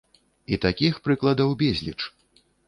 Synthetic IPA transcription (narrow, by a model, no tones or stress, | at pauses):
it̪akʲixpɾɨklˠɐd̪ɐwbʲɛzʲlʲḭt͡ʂ